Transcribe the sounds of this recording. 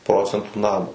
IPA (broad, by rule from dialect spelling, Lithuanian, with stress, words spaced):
ˈproːt͡sʲɛntuː ˈnɑːmoː